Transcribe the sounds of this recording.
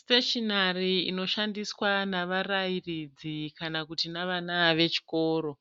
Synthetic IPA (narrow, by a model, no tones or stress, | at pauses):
steʃonariino̞ʃandiswanaʋarairid͡zikanakutinaʋanaʋe̞t͡ʃi̥ko̞ːɾo̞